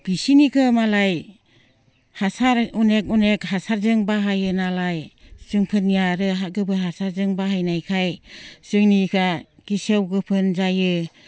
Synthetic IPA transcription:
b̥isinikʰɯmalaj | hasaɾunek̚unek̚hasaɾzɯŋbaɦajɯnalajsɯŋpʰɯnːijaɾɯɦaɡɯbɯɦasaɾzɯŋbaɦajnajkʰajsɯŋnikʰaɡ̥isewɡɯpʰɯnzajɯ

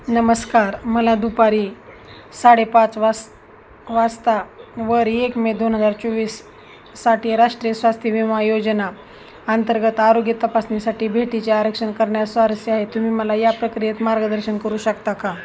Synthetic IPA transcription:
nəməskaɾməlad̪upaɾiː | saɽepãt͡sʋa | ʋast̪aʋəɾekmed̪onɦəd͡zaɾt͡ɕoʋiːsː | aʈiːɾaʂʈɾijəsʋast̪ʰjəʋimajod͡ʑəna | ant̪əɾɡət̪aɾoɡjət̪əpasnisaʈiːbʱeʈit͡ɕeaɾəkʂənkəɾɳjasaɾəsiaɦet̪um̤iːməlajapɾəkɾiet̪maɾɡəd̪əɾɕənkəɾuːɕəkt̪aka

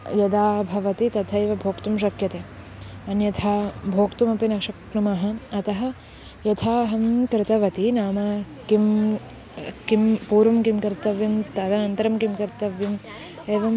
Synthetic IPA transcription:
jɐd̪aːbʱɐʋɐt̪it̪ɐt̪ʰɐeːʋɐbʱoːkt̪umʃ̬ɐkjɐt̪eː | ɐnjɐt̪ʰaːbʱoːkt̪umɐpinɐkʂɐknumɐɦɐ̆ɐt̪ɐɦɐ | jɐt̪ʰaːɦɐmkɾɪt̪ɐʋɐt̪inaːmɐ | kim | kimpuːɾɐmkimkɐɾt̪ɐʋjɐmt̪ɐd̪ɐnɐnt̪ɐɾɐmkimkɐɾt̪ɐʋjɐm | eːʋɐm

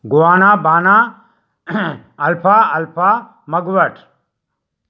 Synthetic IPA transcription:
ɡʊaːnaːbaːnaː | ɐlpʰaːɐlpʰaː | mɐɡʋɐʈʰ

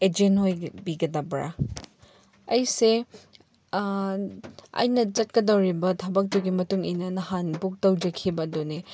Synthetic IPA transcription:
ed͡ʒenhojbiɡɐdɐbɾa̰ | ɐjse | ɐ̰jnɐt͡ʃɐt̚kɐdɐwɾibɐtʰɐbɐk̚tuɡimɐtuŋɐjnɐnɐhanbuk̚tɐwd͡ʒɐkʰibɐdone

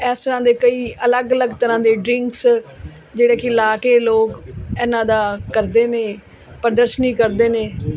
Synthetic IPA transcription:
ɛːst̪əɾãːd̪eːkəiːʔələɡələɡt̪əɾãːd̪eːɖɾɪ̃ŋks | d͡ʒeːɽeːkɪɪlaːkeːloːkɛːnãːd̪aːkəɾd̪eːneː | pəɾd̪əɾʃnĩːkəɾd̪eːneː

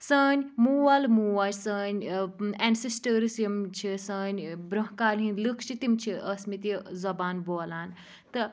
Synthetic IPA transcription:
səːnʲmuːwalmuːwaɾʲsɐːnʲensesʈəɾsjimt͡ʃʰisɐːnʲbɾɐɦkaːlɦĩnlɨkʃit̪imt͡ʃʰiʔɐsmit̪izɐbaːnboːlaːn | t̪ɨ

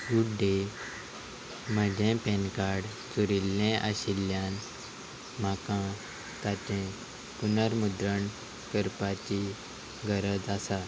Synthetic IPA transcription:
ɡuɽɖe | m̤əd͡ʑʱẽpɛ̃nkaɽ | t͡suɾilːɛ̃ʔaɕiljãn | m̤akã | t̪at̪ɛ̃ | punəɾmud̪ɾəɳ | kəɾpat͡ɕi | ɡəɾəd͡zasa

